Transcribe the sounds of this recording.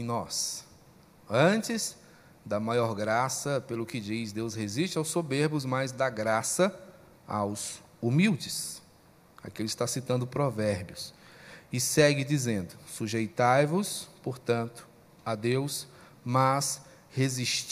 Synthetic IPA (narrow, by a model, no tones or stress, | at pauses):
ẽnɔs | ɐ̃t͡ʃɪz | d̪ɐmajɔɾɡɾasɐpelʊkɪd͡ʒizd̪ewsheziʃt͡ʃɪawsobeɾbʊzmajzd̪aɡɾasɐ | a̰wz | umiwd͡ʒɪs | a̰kelʊɪst̪asit̪ɐ̃nd̪ʊpɾovɛɾbjʊs | ɪsɛɡɪd͡ʒizẽnd̪ʊsuʒejt̪ajvʊspoɾt̪ɐ̃nt̪ʊ̥ | ad̪ews | mɐs | heziʃt͡ʃ